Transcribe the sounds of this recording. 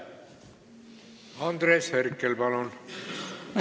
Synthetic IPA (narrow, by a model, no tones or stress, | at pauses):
ɑnd̪ɾeːsherkːelpɑlun